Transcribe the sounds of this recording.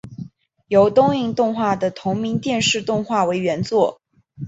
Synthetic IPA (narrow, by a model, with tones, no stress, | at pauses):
jo˧˥ʊt̪ʊ˥ŋi˥˧ŋt̪ʊ˥˧ŋxwa˥˩d̪ə˩t̪ʰʊ˧˥ŋmi˧˥ŋt̪jɛ˥˧nʂɻ̩˥˧t̪ʊ˥˧ŋxwa˥˩we˧˥ɪɥɛ˧˥nt͡swɔ˥˩